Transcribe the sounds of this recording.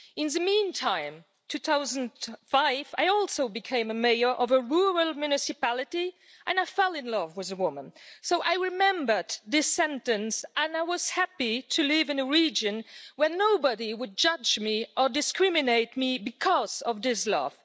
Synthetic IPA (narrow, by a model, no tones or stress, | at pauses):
ɨ̃nðɨmĩntʰãɪ̃m | tʰʉθaʊz̃n̩faɪva̰ɪɔlˠsoʊbɨkʰẽɪ̃mɨmeɪə˞ʔʌvəɹuɹəlˠmjʉnɨsɨpælˠɨɾi | ʔɨ̃naɪfɛlˠɨ̃nlʌvwɨðɨwʊmə̰̃nsoʊʔaɪɹɨmɛ̃mbə˞d̪ðɪsɛ̃ntɨ̃nsə̃naɪwʌz̥hæpiɾʰɨlɪvɨ̃nɨɹid͡ʒɨ̃nwə˞noʊbəɾiwɨd̚d͡ʒʌd͡ʒmiʔə˞dɨskɹ̥ɪmɨneɪt̚mibɨkʰɔz̥ʌvðɪslʌ̰v̥